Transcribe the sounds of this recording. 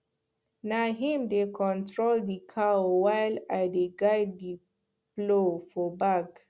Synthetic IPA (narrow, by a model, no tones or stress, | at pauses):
naɦĩmdekʰɔ̃ntɹoldikʰaowajlajdeɡajd̚di | plofɔbaɡ